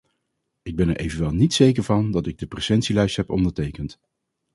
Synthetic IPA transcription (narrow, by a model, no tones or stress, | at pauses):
ɪɡ̚bɛnɛɹʔejvənʋɛlˠnitsejkəɹvɑndɑtɪɡ̚dəprɛsɛntsilɛjstɦɛpɔ̰ndəɹtejkənt